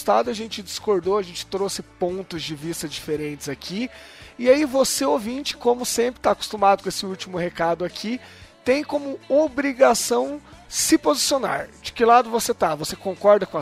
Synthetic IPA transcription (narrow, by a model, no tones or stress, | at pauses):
st̪ad̪ʊɐʒẽnt͡ʃɪd͡ʒɪskoɾd̪oɐʒẽnt͡ʃɪ̥t̪ɾosɪpõnt̪ʊzd͡ʒɪvist̪ɐd͡ʒifeɾẽnt͡ʃɪzakʰiɪaivoseovĩnt͡ʃɪ̥kõmʊsẽpɾɪ̥t̪aːkʊ̥st̪umad̪ʊkõesɪuwt͡ʃimʊhekad̪ʊakʰit̪ẽj̃kõmʊobɾiɡasɐ̃w̃sɪpozisiona̰ɾd͡ʒɪkɪlad̪ʊvoset̪avosekõŋkɔɾd̪ɐkõ